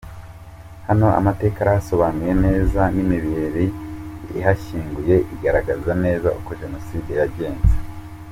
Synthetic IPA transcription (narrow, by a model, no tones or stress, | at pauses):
hano̞a̰mate̞ːkaɾaaso̞βanuje̞ne̞ːzanimiβiɾḭː | ɦaçiːŋɡuje̞ʔiɡaɾaɡazane̞ːza̰ukoʒe̞no̞siːdejaɟe̞ːnze̥